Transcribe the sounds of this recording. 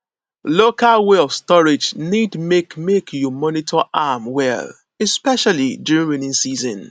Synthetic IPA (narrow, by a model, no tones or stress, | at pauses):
lokalweɔfstɔɹɪd͡ʒnidmekmekʰjɔmɔnitʰɔʔamwɛ̰l | ɛspɛʃalidjuɹĩŋɹinĩŋsizɔ̰̃n